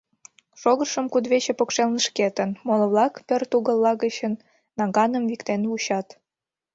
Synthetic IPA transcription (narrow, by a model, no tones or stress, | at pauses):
ʃoɣərʃə̆mkud̪βet͡ɕepokʃelnəʃket̪ənmolə̆βlɑkpørt̪uɣə̆lːɑɣət͡ɕənː | ɑɣɑnə̆mvikt̪enβuɕɑt̪